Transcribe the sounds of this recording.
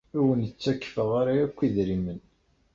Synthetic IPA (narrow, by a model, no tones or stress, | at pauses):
iwənət͡sːækːfəʁaɾaækʷːiðɾimən